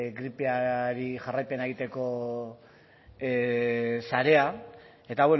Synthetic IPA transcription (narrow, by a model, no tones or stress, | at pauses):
ɣɾipeaɾiʝarajpe̞nae̞ɣit̪e̞ko̞ | saɾe̞a | e̞t̪aβwe